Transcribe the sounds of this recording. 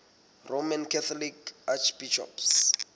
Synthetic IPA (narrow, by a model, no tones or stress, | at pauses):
rʔomankʰɛθʰɔlikat͡ʃʰb̥iʃɔ̰ps